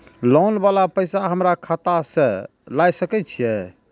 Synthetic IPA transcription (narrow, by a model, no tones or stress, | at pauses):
lawnbalapəjsaɦəmɾakʰat̪asẽ | lajsəkɛtt͡ʃʰijɛ